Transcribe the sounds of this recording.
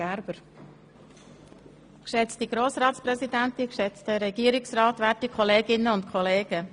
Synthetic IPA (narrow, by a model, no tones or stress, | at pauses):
æɾb̥əɾ | kʃɛt͡stiɡ̥ɾoːsɾɑːtspɾɛsidæntɪnkʃɛt͡stəɾɛɡ̥iːəɾɪksrɑːtvʋætikʰχɔleːɡɪnəʊntkʰɔleːɡ̥ə